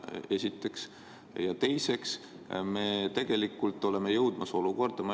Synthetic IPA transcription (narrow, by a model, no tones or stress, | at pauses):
e̞sʲit̪ːˑe̞ks | jɑt̪e̞jse̞ks | me̞ːt̪e̞ɡ̥e̞likːˑult̪ːˑo̞le̞me̞jɤwd̪̥mɑso̞luko̞rd̪̥ɑmɑ